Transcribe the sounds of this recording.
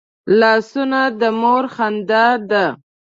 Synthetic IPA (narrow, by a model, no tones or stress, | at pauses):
lɑsunad̪əmoɾxand̪ad̪a